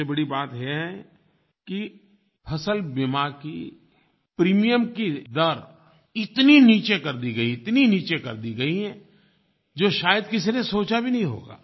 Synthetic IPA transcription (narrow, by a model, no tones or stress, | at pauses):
ebɐɽibaːt̪ɦɛɦɛ | ki | pʰɐsəlbɪmakḭ | pɾiːmijəmkid̪ɐɾ | ɪt̪niniːt͡ʃekɐɾd̪iɡɐiɪt̪niniːt͡ʃekɐɾd̪iɡɐiɦɛ̃ː | d͡ʒoːʃaːjəd̪kɪs̬inesoːt͡ʃabʱinɐɦĩɦo̰ːɡa̰ː